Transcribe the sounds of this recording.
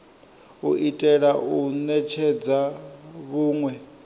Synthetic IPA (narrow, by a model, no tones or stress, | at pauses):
uʔitʼɛɺaʔunɛt͡ʃʰɛd͡zaβuːŋwɛ